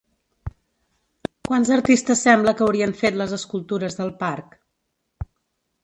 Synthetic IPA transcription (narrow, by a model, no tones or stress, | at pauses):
kwanzəɾt̪ist̪əsːɛmbləkəwɾiəɱfet̪ləzəskulˠt̪uɾəzðəlˠpark